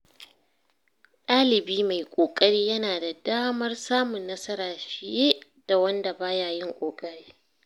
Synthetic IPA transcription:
ɗʼaː˦lɪ˨biː˦ma˨jkʷʼoː˨kʼɐ˦ɽiː˦jɐ˦naː˨da˨daː˦mɐ˦rsaː˦mʊ˨nːɐ˦sɐ˦ɾaː˨ʃɪ˨jeː˦ | d̥a˨wɐ˦nda˨baː˦jaː˨jɪ˦ŋkʷʼoː˨kʼɐ˦ɽiː˦

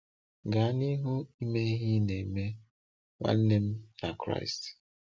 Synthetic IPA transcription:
ɡa˨˦ni˦ɦu˦i˦me˦ɦi˦ne˨i˨me˦ | ŋʷa̰˦n̩˦ne˦m̩˦na˨kɾa̰˦ɪ˨st

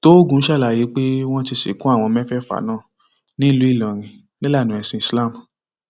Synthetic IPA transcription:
to˦ɡũ˧˦ʃa˦˨la˨ji˨˦k͡pe˦w̃ɔ̃˦ti˧ʃḭ˨˦kũ˦a˦˨w̃ɔ̃˧mɛ̃˦fɛ˦˨fa̰˨˦nãː˦˨ | nĩ˦lu˨˦i˦˨lɔ̃˨ɾ̃ĩ˧ | lɛ˦la˦˨nũ˨˦ɛ˧sĩ˧i˨sla˦˨m

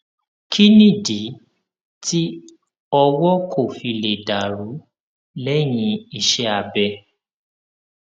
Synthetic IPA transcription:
kʰi˦nĩ˦˨di˨˦ | tʰi˦ | ɔ˧wɔ˦kʰo˦˨fi˧le˨da˨ɾu˨˦ | lɛ˦j̃ĩ˧˦i˨ʃɛ˧a˨bɛ˧

